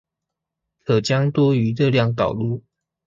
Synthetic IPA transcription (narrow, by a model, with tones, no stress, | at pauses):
kʰɤ˨˩t͡ɕjɑ˦ŋt̪wɔ˥y˧˦lə˧ljɑ˥˩ŋt̪ɑ˨˩ʊlu˥˩